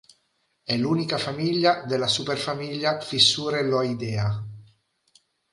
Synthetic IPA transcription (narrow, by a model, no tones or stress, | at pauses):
ɛluːnikafamiʎːad̪elasuperfamiʎːafisːuːɾelɔid̪ɛːa